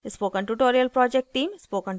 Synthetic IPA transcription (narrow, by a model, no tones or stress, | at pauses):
spoːkə̃ɳʈuʈoːɾiəlpɾɔːd͡ʒek̚ʈʈːiːmspoːkə̃ɳ